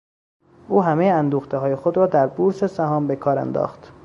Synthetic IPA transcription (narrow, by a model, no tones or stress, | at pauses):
ʔuːɦæmejeænd̪uːxt̪ʰeɦɒːje̞xod̪ɾɒːd̪æɾbuːɾsesæɦɒːmbe̞kʰɒːɾæ̰nd̪ɒ̰ːxt̪